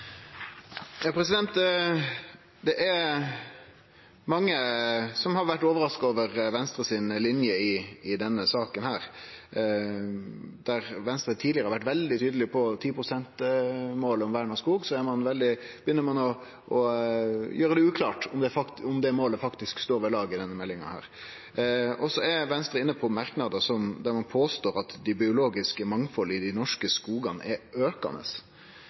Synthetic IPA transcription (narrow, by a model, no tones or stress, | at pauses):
jɑːpʰɾɛsɪd̪ɛnt̪ | d̪ɛʔæ | mɑŋːəsɔmhɑɾʋæʈːoːʋəɾɑskɑoːʋəɾʋɛnst̪ɾəsɪnlɪnjəɪɪd̪ɛnːəsɑːkənhæːɾ | d̪̥æɾʋɛnst̪ɾət̪ʰːiːdlɪəɾəhɑɾʋæʈːʋɛld̪ɪt̪ʰyːd̪əlɪpʰɔt̪ʰiːpɾʊsɛnt̪moːləɔmʋæːɳɑskuːɡsɔæɾmɑnʋɛld̪ɪb̥əjʏnːəɾmɑnɔ | ʔɔ | jøːɾəd̪ɛʉːkʰlɑːʈɔmd̪ɛfɑkʊmd̪ɛmoːləfɑkt̪ɪskst̪oːɾʋɛlɑːɡɪd̪ɛnːəmɛlːɪŋɑ̰hæ̰ːɾ | ɔsɔæɾʋɛnst̪ɾəɪnːəpʰɔmɑɾknɑd̪əsɔmd̪æɾmɑnpʰoːst̪oːɾɑt̪d̪ɪbɪʊloːɡɪskəmɑŋfɔlːəɪd̪ɪnɔʂkəskuːɡɑnəʔɛøːkɑ̰nə̰s